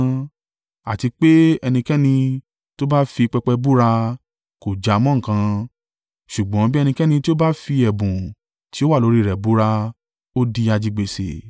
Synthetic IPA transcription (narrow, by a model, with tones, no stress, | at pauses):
a̰˨ti˧k͡pe˦ɛ˧nĩ˧kɛ˦nĩ˧ | to˦ba˦fi˧k͡pɛ˧k͡pɛ˧bu˦ɾa˧ | ko˨d͡ʒa˨˧mɔ̃˦ŋ̩˨kã˧ | ʃu˨ɡ͡bɔ̃˨˦bi˦ɛ˧nĩ˧kɛ˦nĩ˧ti˦o˦ba˦fi˧ɛ˨bũ˨ | ti˨˦o˦wa˦˨lo˨˦ɾi˦˨ɾɛ˨bu˦ɾa˧ | o˦di˧a˧d͡ʒi˧ɡ͡be˨sḛ˨